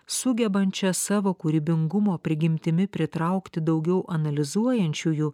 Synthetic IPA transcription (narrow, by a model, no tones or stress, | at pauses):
sʊɡʲɛbɐnʲt͡ʃʲɛsɑːʋoːkuɾʲibʲɪŋɡʊmoːpʲɾʲɪɡʲɪmʲt̪ʲɪmʲɪpʲɾʲɪt̪ɾɐʊkt̪ʲɪd̪ɒʊɡʲɛʊʔɐnɐlʲɪzuɔjɛnʲt͡ʃʲuːju